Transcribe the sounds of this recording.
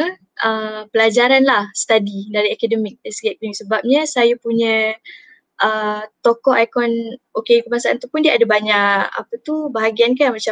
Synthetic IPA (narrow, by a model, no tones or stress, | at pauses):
ʔəpəlad͡ʒaɾanlahsə̥t̪adidaɾiakadəmik̚ɛsɡɛk̚liŋsəbap̚ɲəsajəpuɲə̃ | ʔət̪okɔʔajkɔnokekəbaŋsaʔant̪upundiəadabaɲaʔa̰pət̪ubaɦaɡiankamat͡ʃa